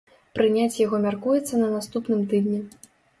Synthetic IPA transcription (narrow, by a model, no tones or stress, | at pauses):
pɾɨnʲat͡sʲjaɣɔmʲarkujɛt̪sːɐnɐnast̪upnɨmt̪ɨd̪ʲnʲi